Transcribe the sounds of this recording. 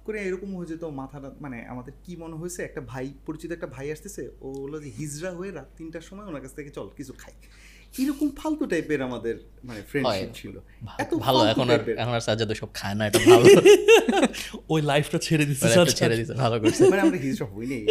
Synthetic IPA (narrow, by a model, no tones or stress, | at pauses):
koɾeejɾɔkomoid͡ʑet̪omat̪ʰaʈamanea̰mad̪eɾkimɔneɦojet͡ɕʰeɛk̚ʈabʱajpoɾit͡ɕit̪oɛk̚ʈabʱajaʃt̪esʰeoolod͡ʑeɦid͡ʑɾaɦoeɾat̪ːinʈaʃɔmɔeonaɾkat͡ɕʰt̪ʰeket͡ɕɔlkit͡ɕʰukʰaj | ejɾɔkompʰalt̪oʈajpeɾamad̪eɾ | manefɾeɳɦɔʃipt͡ɕʰilo̰ | bʱaɛt̪obʱaloaɛkoonapeɾɛkʰonaɾsad͡ʑad̪oʃɔb̚kʰaenaɛoalo | ojlajpʰʈat͡ɕʰeɾed̪isʰeat͡ɕʰeɾed̪isʰebʱalokoɾt͡ɕʰemaneamad̪eɾɦid͡ʑɾaɦojnej